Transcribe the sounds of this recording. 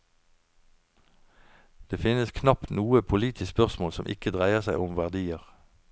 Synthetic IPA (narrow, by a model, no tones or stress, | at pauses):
d̪̥eːfɪnəskʰnɑpt̪nuːəpʰʊliːt̪ʰɪspœʁsmoːlsɔmʔɪ̰kəd̪ʁæɪəʁsæɪʔʊmʋæʁd̪iːəʁ